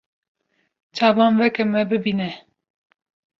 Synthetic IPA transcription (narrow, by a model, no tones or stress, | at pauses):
t͡ʃʰɑːvɑːnvɛkɛmɛbɨbinɛ